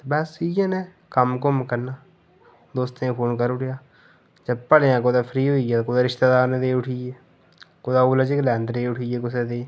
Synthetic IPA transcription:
t̪ːbɛːsijãneː | kəmkomkəɾnaː | d̪oːst̪eẽpʰoːnkəɾʊʈʰjaː | d͡ʒəb̚pəɽeãːkoːd̪aːpʰɾiːɦoːiaːt̪ːkoːd̪aːɾɪʃt̪eːd̪aːɾnẽːd̪eːʊʈʰiːeː | koːd̪aːuːlad͡ʒiklɛ̃ːnd̪ɾeːʊʈʰiːeːkʊs̬eːd̪eː

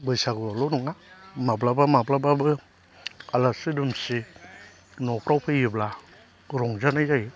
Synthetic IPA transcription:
bɯjsaɡɯalɔnɔŋamablabamablababɯ | alasidɯmsi | nɔpɾawpʰɯjibla | ɾɔŋzanajzaji

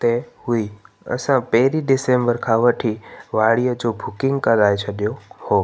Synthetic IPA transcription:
t̪ɐhui | ɐ̰sãpɐɦɪɾiɖɪsẽːmbəɾkʰãʋɐʈʰiʋaːɭijəd͡ʑoːbʱʊkɪ̃ŋɡkɐɾaːet͡ɕʰɐɗijohoː

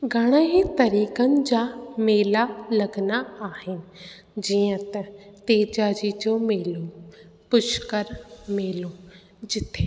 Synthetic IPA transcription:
ɡəɽ̃ãːɦit̪əɾiːkənd͡ʒaːmeːlaləɡnaaːɦɪnɪ̆ | d͡ʒiãt̪ɛ̃t̪eːd͡ʒaːd͡ʒid͡ʒõmeːluːpʊʃkəɾmeːlũː | d͡ʒɪt̪ʰːe

